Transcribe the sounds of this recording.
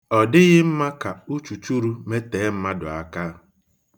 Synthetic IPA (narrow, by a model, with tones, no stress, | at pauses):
ɔ˨dɪ˦ɣɪ˦m̩˦ma˦ka˨u˦t͡ʃu˨t͡ʃu˦ɾu˦me˦teː˨˦m̩˦ma˦dʊ̰˨a˨ka˦